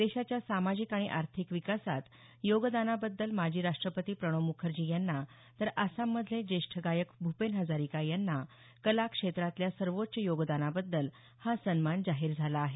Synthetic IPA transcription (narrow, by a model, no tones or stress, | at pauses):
d̪eɕat͡ɕjasamad͡ʑikaɽ̃iʔaɾt̪ʰikʋikasat̪ | joɡd̪anabəd̪ːəlmad͡ʑʱiːɾaʂʈɾəpət̪iːpɾəɽ̃omukʰəɾd͡ʑiːjanːa | t̪əɾasamːəd̪ʱled͡ʑeʂʈʰəɡajəkbʱupenɦəd͡zaɾikajanːa | kəlakʂet̪ɾat̪ljasəɾʋot̪̚t͡ɕejoɡd̪anabəd̪ːəl | hasənmand͡zaɦiɾd͡zʱalaːɦe